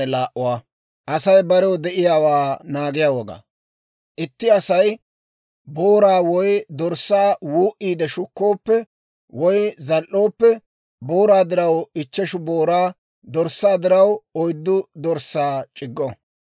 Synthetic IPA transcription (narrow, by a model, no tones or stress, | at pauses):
ɛlaːʔʊwaː | ʔɐsɐjbɐɾɛwɔd̪ɛʔɪjaːwaːnaːɡɪjaːwɔɡa̰ː | ʔɪt̪ːɪɐsɐj | boːɾaːwɔjd̪ɔɾsːaːwuːʔiːd̪ɛʃʊkːo̞ːpːɛ | wɔjzɐlʔːo̞ːpːɛ | boːɾaːd̪ɪɾɐwɪt͡ʃːɛʃʊboːɾaː | d̪ɔɾsːaːd̪ɪɾɐwɔjd̪ːʊd̪ɔɾsːaːt͡ʃʼɪɡːɔ